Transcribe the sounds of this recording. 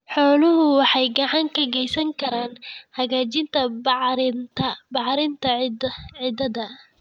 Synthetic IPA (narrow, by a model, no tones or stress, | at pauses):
ħɔːlʊɦʊwɑħɑjɡɑʕɑŋkʰɐɣɛjsɐŋkʰɐɾaːnhɐɣaːt͡ʃɪnt̪ʰɐɾt̪ʰɐbɑʕɾɪnt̪ʰɐʕɪd̪ɐðɐ